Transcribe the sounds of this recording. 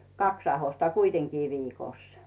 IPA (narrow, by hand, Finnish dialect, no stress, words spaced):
kɑks ɑhostɑ kuiteŋkiː ʋiːkoˑs